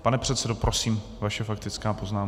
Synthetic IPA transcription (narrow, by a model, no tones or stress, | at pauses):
panɛpr̥ɛt̪sɛdopɾo̞siːm | vaʃɛfak̚t̪ɪt͡skaːpo̞znaːm